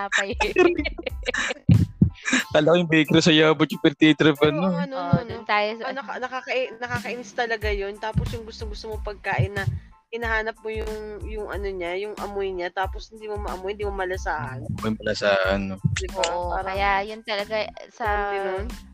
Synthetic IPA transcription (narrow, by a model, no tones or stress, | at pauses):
apɐjɾ | t̪ɐlɐɡajʊŋbɛkɾosɐjaːbɐt̪jʊpɛɾt̪it̪ɾɛfɛnːoɐnonʊnt̪aːjosnɐɐnɐkakɐʔnɐkakɐʔɪnst̪ɐlɐɡajont̪aːposjʊŋɡʊst̪oŋɡʊst̪omopɐɡ̚kaːʔɪnːɐ | kɪnɐhaːnɐp̚mojʊŋjʊŋʔɐnoɲajʊŋʔɐmojɲat̪aːposhɪnd̪iːmomɐʔɐmohɪnd̪imomɐlɐsaːhɐnɐmojmɐlɐsaːhɐnːoboʔʔoakɐjajʊnt̪ɐlɐɡasɐɐʊnon